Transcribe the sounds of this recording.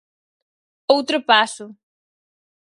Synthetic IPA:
owt̪ɾopasʊ

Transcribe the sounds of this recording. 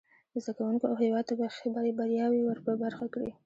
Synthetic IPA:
d̪əzd̪akawuŋkoawɦɪwɑd̪̚t̪abaxebaɾebaɾjɑwiwəɾpəbaɾxakɽḭ

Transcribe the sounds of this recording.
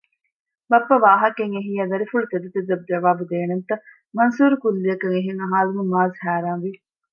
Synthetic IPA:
bɐpːɐʋaːɦɐkeŋeɦiːɐd̪ɐɾifuɭut̪ed̪ut̪ed̪ɐb̚d͡ʒɐʋaːbud̪eːnent̪ɐ | mɐnsuːɾukulːiɐkɐŋeɦeŋɐɦaːlumumaːzhæːɾaːnʋi

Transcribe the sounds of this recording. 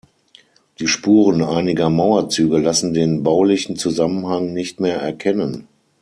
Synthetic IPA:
d̥iːʃpuːʁənʔaɪnɪɡɐmaʊɐt͡syːɡəlasn̩deːnbaʊlɪçn̩t͡suzamənhaŋnɪçtmeːɐʔɛɐkʰɛnən

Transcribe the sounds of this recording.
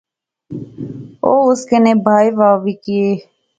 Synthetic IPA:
oːʊskeːneːbʱaːiːʋaːʋiːkɪeː

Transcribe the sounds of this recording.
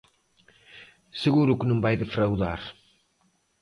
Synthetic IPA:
sɨɣuɾʊkɪnũŋbajðɪfɾawðaɾ

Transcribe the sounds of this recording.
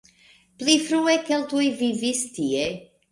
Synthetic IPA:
plifɾuɛkelˠt̪uevivist̪ie

